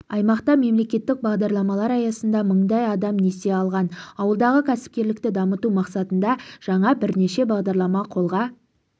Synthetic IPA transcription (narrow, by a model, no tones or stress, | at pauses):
ɑjmɑqt̪ɑme̞mle̞kʲe̞t̪ːɪk̚bɑʁd̪ɑɾlˠɑmɑlˠɑɾɑjɑsənd̪ɑməɴd̪ɑjɑd̪ɑmne̞se̞ɑlˠʁɑnɑwəlˠd̪ɑʁəkʲʰæsɪ̥p̚kʲe̞ɾlɪk̚t̪ɪd̪ɑmət̪umɑqsɑt̪ənd̪ɑʒ̥ɑɴɑbɪɾne̞ʃe̞bɑʁd̪ɑɾlˠɑmɑqʰo̞lˠʁɑ